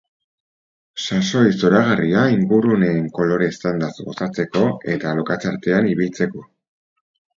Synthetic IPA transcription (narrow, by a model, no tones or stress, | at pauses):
saso̞jso̞ɾaɣ̞ariaiŋɡurune̞ːŋko̞lo̞ɾe̞st̪and̪azɡo̞sat͡se̞ko̞e̞t̪alo̞kat͡saɾt̪e̞aniβ̞ilt͡se̞ko̞